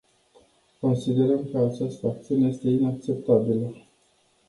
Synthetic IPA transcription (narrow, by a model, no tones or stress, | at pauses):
ko̞nsid̪e̞ɾəmkəat͡ʃast̪əak̚t̪siune̞je̞st̪e̞inak̚t͡ʃe̞p̚t̪abilə